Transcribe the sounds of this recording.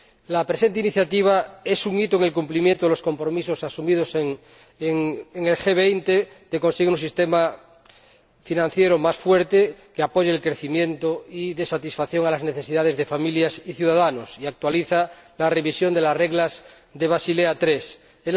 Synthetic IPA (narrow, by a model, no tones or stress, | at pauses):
lapɾese̞nt̪einiθjat̪iβ̞aesuŋit̪oeŋe̞lkumplimjent̪oelo̞sko̞mpɾo̞misosasumið̞o̞seŋ | ŋeŋelxeβ̞ejnt̪e | d̪̥ekonseɣeuns̬ist̪ema | finãn̟θjeɾomasfweɾt̪ekeapoʝeelkɾeθimje̞nt̪oiðesat̪isfaθjo̞ŋalazneθe̞siðað̞e̞zðe̞familjasiθjuðaðanosiak̚t̪waliθalare̞βisjo̞nd̪elasreɣlaz | ðeβ̞asileat̪ɾes | e